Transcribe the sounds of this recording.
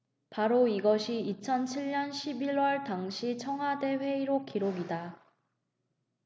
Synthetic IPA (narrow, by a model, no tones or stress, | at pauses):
paɾoiɡʌɕʰiːt͡ɕʰʌnt͡ɕʰiɭɲʌnɕʰibiɭwʌɭtaŋɕʰit͡ɕʰʌŋɦwade̞ɸwe̞iɾok͈iɾoɡida